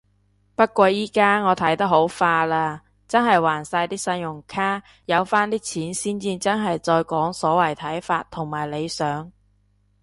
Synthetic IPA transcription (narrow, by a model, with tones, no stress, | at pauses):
pɐ˥t̚kʷɔː˧jiː˥kaː˥ŋɔː˨˧t̪ʰɐ˨˥jt̪ɐ˥k̚ɦho˨˥wfaː˧laː˧ | t͡sɐ˥nɦɐ˨jwaː˨˩nsaː˧jt̪iː˥sɐ˧njʊ˨˩ŋkʰaː˥ | jɐ˨˧wfaː˥nt̪iː˥t͡sʰiː˨˥nsiː˥nt͡siː˥t͡sɐ˥nɦɐ˨jt͡ʃɔː˧jkɔː˨˥ŋsɔː˨˥wɐ˨˩jt̪ʰɐ˨˥jfaː˧t̪̚ʰʊ˨˩ŋmaː˨˩jle˨˧jsœː˨˥ŋ